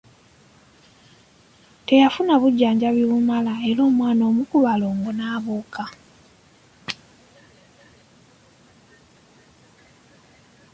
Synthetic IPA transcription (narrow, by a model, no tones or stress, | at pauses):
te̞jafunaβuɟːaːɲɟaβjoβumalaeɾo̞ːmwaːno̞ːmukuβaloːŋɡonaːβoːka